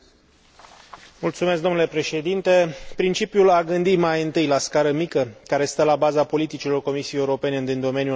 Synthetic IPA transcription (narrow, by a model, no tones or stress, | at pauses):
mult̪sumesk̚d̪onule̞pɾe̞ʃe̞d̪int̪e̞pɾint͡ʃipjulaɡɨnd̪imajɨnt̪ɨjlaskaɾəmikəkaɾe̞st̪əlabazapo̞lit̪it͡ʃilo̞rko̞misijejeuɾo̞pe̞ne̞ɨnd̪ind̪o̞me̞nju